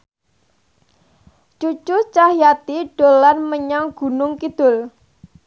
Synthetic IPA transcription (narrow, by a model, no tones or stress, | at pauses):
t͡ʃut͡ʃʊt͡ʃahjat̪iɖ̥o̤lanməɲaŋɡ̥ṳnʊŋkid̪̥ʊ̤l